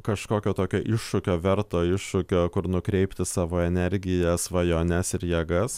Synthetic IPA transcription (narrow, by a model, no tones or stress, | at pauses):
kɐʃkoːkʲoːt̪oːkʲoːʔɪʃʃʊkʲoːʋʲɛɾt̪oːɪʃʃʊkʲoːkʊɾnʊkɾʲɛɪpʲt̪ʲɪsɑːʋoːɛnʲɛɾʲɡʲɪjɛsʋɐjoːnʲɛsɪɾjiɛɡɐs